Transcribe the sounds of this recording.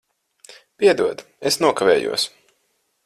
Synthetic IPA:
pʲiɛd̪uɔd̪ | esnuɔkavʲeːjṵɔs

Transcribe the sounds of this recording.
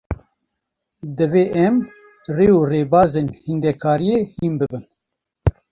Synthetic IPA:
d̪ɨveːʔɛm | reːureːbaːzeːnhind̪ɛkʰaːɾijeːhiːnbɨbɨn

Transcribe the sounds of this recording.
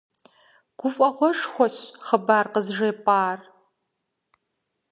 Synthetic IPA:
ɡ̥ʷʊfʼɐχʷɔʂxʷɔɕχəbaːrqəzʐeːpʼaːr

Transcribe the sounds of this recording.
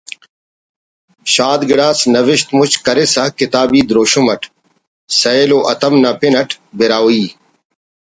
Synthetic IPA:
ɕaːd̪ɡɪɽaːsnɐʋɪʃt̪mʊt͡ɕkɐɾesɐkɪt̪aːbiːd̪ɾoːɕumɐʈʰ | sɐeːloːʔɐt̪ɐmnapɪnɐʈʰ | beɾaːiː

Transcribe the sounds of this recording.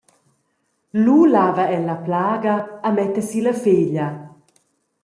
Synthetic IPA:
lulavɐɛlɐplaːɡɐːmɛt̪əsilɐfeːʎɐ

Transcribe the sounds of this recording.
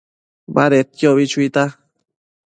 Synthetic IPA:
baɾet̪̚joβit͡ʃuit̪a

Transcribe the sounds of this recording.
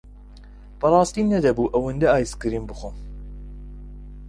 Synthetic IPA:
b̥ɐɾˤɑːst̪iːmnɐd̪ɐbuʔɐwɨnd̪ɛɑːjskɨɾimbɨxom

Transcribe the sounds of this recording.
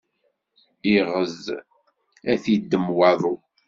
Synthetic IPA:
iʁəz | æθid̪ːəmwɑðˤu

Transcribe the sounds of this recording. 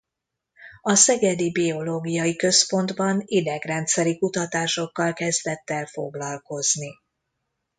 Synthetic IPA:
ɒsɛɡɛd̪ibio̞loːɡijɒjikø̞spo̞nd̪bɒnid̪ɛɡrɛnt̪sɛɾikut̪ɒt̪aːʃo̞kːɒlkɛzd̪ɛt̪ːɛlfo̞̰ɡlɒlko̞zni

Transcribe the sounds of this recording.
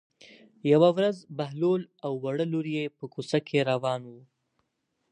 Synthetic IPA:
jawawɾazbaɦlolawːaɽəloɾijepəkusakʰeɾawɑnwu

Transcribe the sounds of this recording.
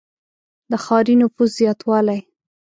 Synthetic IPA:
d̪əxɑɾinʊfuszjɑt̪wɑlaj

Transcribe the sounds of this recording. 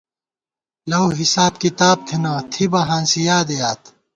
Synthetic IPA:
lɐwɦisaːb̚kit̪aːb̚t̪ʰinãːt̪ʰibɐɦãːnsijaːd̪ejaːt̪

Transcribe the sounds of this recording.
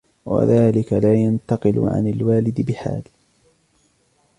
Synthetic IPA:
wa̰ðaːlɪkalaːjant̪ɑqɨl̰ʕa̰nalwaːlɪd̪ɪbɪħa̰ːl

